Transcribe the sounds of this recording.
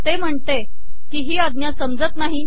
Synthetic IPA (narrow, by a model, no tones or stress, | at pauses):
t̪em̤əɳt̪e | kiːɦiːad̪njasəmd͡zət̪naɦi